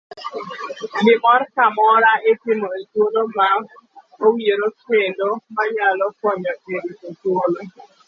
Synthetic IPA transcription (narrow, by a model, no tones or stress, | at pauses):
ɡɪmɔrkamɔɾaʔetɪmoetwoloma | owieɾoswendomaɲalɔkɔɲɔkedikotwolo